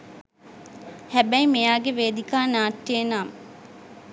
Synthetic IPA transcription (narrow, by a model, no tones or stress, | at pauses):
hæbɛjmijaːɡeʋeːd̪ikaːnaːʈːeːnaːm